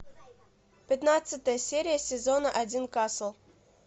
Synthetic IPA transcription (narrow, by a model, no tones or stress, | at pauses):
pʲɪt̪nat̪sɨt̪əjəsʲeɾʲɪjəsʲɪzo̞nəʔɐdʲinkaslˠ